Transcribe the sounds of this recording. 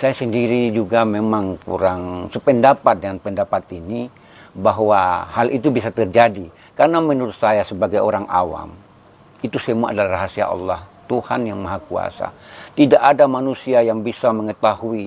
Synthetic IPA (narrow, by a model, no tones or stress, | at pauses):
sajasəndiɾid͡ʒuɡamemaŋkṵɾaŋsəpəndapat̪̚dəŋanpəndapat̪ini | baɦwahalʔit̪̬ubis̬at̪ərd͡ʒadi | karnamənuɾʊt̪̚sajasəbaɡajoɾaŋʔa̰wa̰m | it̪usəmua̰adalaraɦasia̰ʔɑ̰lːɑht̪uha̰njaŋmaɦakua̰sa̰t̪idaʔadamanusiajaŋbisaməŋət̪ahui